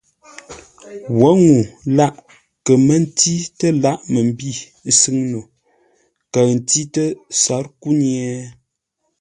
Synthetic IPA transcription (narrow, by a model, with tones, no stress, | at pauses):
wɔ˨˦ŋu˨la˦ʔ | kə˨mə˦n̩˦ti˦tə˦la˦ʔmə˨m˦bi˦˨˦ | sɨ˦ŋno˨ | kə˨n̩˨ti˦tə˦sa˨˦ɾku˦njɛ˦